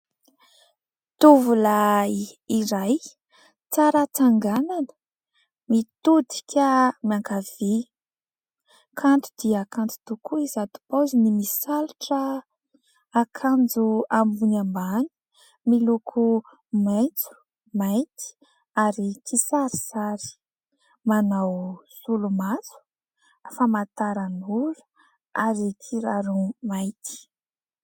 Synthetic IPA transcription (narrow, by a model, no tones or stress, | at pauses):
t̪uvula | iɾaj | t͡saɾat͡saŋɡananə̥ | mit̪ud̪i̥kʲəmiaŋkav̥i | kʰant̪u̥d̪̥iakand͡zu̥t̪ukuizad̪u̥pozinimisaluʈ͡ʂəː | kʰand͡zuambunambani̥ | milukʰu | majt͡su̥ | majt̪i̥ | aɾikʰisaɾisaɾi̥ | manawsulumazu̥ | famat̪aɾanuɾu̥ | aɾikʰiɾaɾumajt̪ʰi̥